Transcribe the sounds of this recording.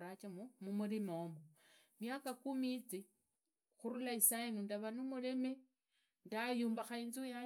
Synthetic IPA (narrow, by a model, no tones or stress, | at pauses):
ɾat͡ʃamumumuɾimomo | mjakakumit͡si | xuɾulaisajenundaβanumule̞me | ndajuːmbaxainzija